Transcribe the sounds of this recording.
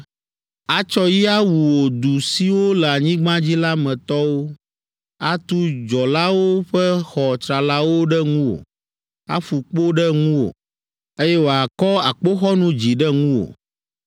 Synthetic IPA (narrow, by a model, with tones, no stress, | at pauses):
a˨t͡ʃɔ˦ji˦a˦wu˨wo˨d̪u˨si˦wo˦lɛ˨a˨ɲĩ˦ɡ͡bã˦d͡ʑi˦la˦mɛ̃˨t̪ɔ˦wo˦ | a˦t̪u˦d͡ʒɔ˨la˦wo˦ɸɛ˦xɔ˨t̪ɾa˨la˦wo˦ɖɛ˦ŋũ˦wo̰˨ | a̰˦fu˨k͡po˦ɖɛ˦ŋũ˦wo̰˨ | e˦jɛ˦wo˨a˨kɔ˦a˨k͡po˦xɔ˦nũ˦d͡ʑi˨ɖɛ˦ŋũ˦wo̰˨